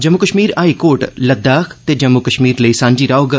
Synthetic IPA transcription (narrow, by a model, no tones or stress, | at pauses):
d͡ʒɐmːukəʃmiːɾaːikoːʈləd̪aːkʰt̪eːd͡ʒɐmːukəʃmiːɾləisãːɲd͡ʒiːɾaːoɡ